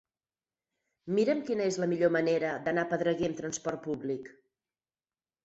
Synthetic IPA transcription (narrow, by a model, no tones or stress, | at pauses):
miɾəmkinəezləmiʎoməneɾəd̪ənapəðɾəɣemt̪ɾənspɔrt̪̚puβlik